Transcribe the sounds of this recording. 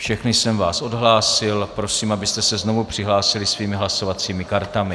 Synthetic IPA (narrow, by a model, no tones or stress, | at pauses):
fʃɛxnɪsɛmvaːsʔo̞dɦlaːsɪlpɾo̞siːmabɪst̪ɛsɛzno̞vupr̝̥ɪɦlaːsɪlɪsviːmɪɦlaso̞vat͡siːmɪkaɾt̪amɪ